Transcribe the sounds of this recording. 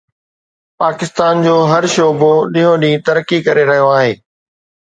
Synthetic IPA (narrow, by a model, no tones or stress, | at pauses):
paːkɪst̪aːnd͡ʑoːɦɐɾʃoːboɗĩːɦõɗĩːt̪ɐɾəkːikɐɾeɾɐɦijoaːɦeː